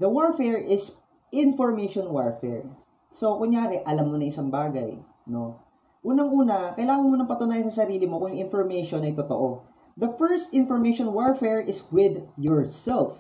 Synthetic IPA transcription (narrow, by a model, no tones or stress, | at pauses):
d̪ɐwaɹfɛɹʔɪs | ʔɪnfɔɹmejʃonwaɹfɛ̰ɹ | so̞kʊŋjaːɾɛʔɐlamːo̞nɐŋʔɪsɐŋbaːɡɐ̰j | no̞̰ | ʔuːnɐŋʔuːnɐkɐjlaːŋɐnmonɐŋpɐt̪ʊnaːjɐnsɐsɐɾiːlɪmokʊŋjʊŋʔɪnfoɹmɛjʃonɐjt̪ot̪o̰ʔo | d̪ɐfɛɹst̪ɪnfɔɹmejʃonwaɹfɛɹʔɪswɪd̪jɔɹsɛlf